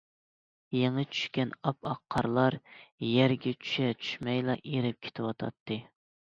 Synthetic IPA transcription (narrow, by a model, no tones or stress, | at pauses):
jeŋɨt͡ʃʰy̥ʃkʲɛnɑpʰɑqʰːɑɾlˠɑɾjæɾɡʲɛt͡ʃʰy̥ʃɛt͡ʃʰy̥ʃmɛjlˠɑʔeɾɪp̚kʲʰe̥t̪ʰɪwɑt̪ʰɑ̰t̪ʰːɨ